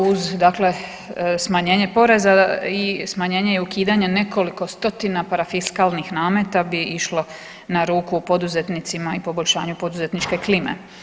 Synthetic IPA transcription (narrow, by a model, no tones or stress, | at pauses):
uzd̪akle̞ | smaɲe̞ːɲe̞po̞ɾe̞zaismaɲe̞ːɲe̞eukiːd̪aɲe̞ne̞ko̞liko̞st̪o̞t̪inapaɾafiskalˠnixnaːme̞t̪abiiʃlo̞ | naɾuːkuːpo̞d̪uze̞t̪nit̪simaipo̞bo̞ʎʲʃa̰ːɲupo̞d̪uze̞t̪nit͡ʃke̞klimḛ